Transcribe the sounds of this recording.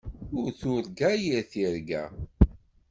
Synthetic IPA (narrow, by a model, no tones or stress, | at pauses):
ʊɾθʊɾɡæjiɾθiɾɡæ̰